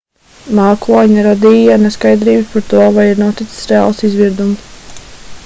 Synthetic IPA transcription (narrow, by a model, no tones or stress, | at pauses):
maːklˠaɲaɾad̪ijaneskajd̪ɾiːbspaɾt̪uɔvajiɾnuɔt̪it̪si̥sɾɛa̰ːlˠsizviɾd̪ums